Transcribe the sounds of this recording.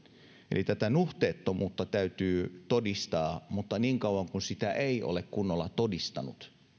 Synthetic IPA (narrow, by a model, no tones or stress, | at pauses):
ḛlit̪æt̪ænuht̪eːt̪ːomuːt̪ːɑt̪æyt̪yːt̪odist̪ɑːmut̪ːɑniːŋkɑuwɑŋkunsit̪æʔeiʔo̰lekkunːolːɑt̪odist̪ɑ̰nut̪